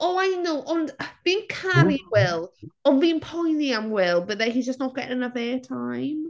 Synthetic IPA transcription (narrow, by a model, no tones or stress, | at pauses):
ʔoʊaɪnoʊʔə̃nb̥iɪ̃ŋkʰaɾiwɛlˠə̃nbiɪ̃ŋpʰɔ̃ɪ̃niə̃mwɪlˠbʌt̪̚ðəhid͡ʒʌsnət̚ɡ̥ɛ̰ʔɪ̃nəvɛːtʰãɪ̃m